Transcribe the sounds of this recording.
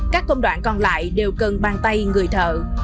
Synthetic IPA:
kaː˦˥kːə˧wŋ͡mɗwa̰ː˧˩nkɔ˧˩nla̰ː˧˨jɗe˨˩wkə˨˩nɓaː˨˩nt̪a˧jŋɨ˨˩əjt̪ʰə̰ː˧˨˩

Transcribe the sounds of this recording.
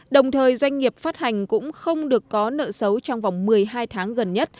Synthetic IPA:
ɗə˨˩wŋ͡mt̪ʰəː˨˩jzwa˧jŋ̟ŋi˨˩əp̚faː˦˥t̚ha˨˩jŋ̟kʊ̰˧˥ŋ͡mxə˧wŋ͡mɗɨ˨˩əkːɔ˨˦nə̰ː˧˨sə˨˦wt͡ɕɔ˧wŋ͡mva˨˩wŋ͡mmɨ˨˩əjɦaː˧jt̪ʰaː˨˦ŋɣə˨˩nɲə˦˥t̚

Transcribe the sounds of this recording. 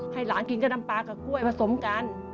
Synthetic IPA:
ha˥˩jlaː˨˦nki˧˦ŋt͡ɕa˧na˧mpaː˧kɔː˧˩ku˥˩əjpʰa˧so˨˩˦mka˧n

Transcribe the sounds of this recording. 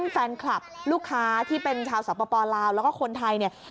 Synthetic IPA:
nfɛː˧nkʰla˨˩p̚luː˥˩kʰːaː˦˥t̪ʰiː˥˩pe˧nt͡ɕʰaː˧wsaː˨˩˦pːaː˧pɔː˧laː˧wlɛː˦˥wkɔː˥˩kʰo˧nt̪ʰa˧jni˥˩ɐ

